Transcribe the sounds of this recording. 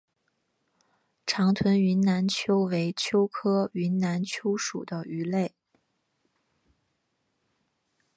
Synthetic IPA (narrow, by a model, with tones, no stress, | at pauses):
ʈ͡ʂʰɑ˧˥ŋt̪ʰwə˧˥ny˧˥nna˧˥nt͡ɕʰjo˥ʊwe˧˥ɪt͡ɕʰjo˥ʊkʰɤ˥y˧˥nna˧˥nt͡ɕʰjo˥ʊʂṵ˨˩d̪ə˦y˧˥le˥˩ɪ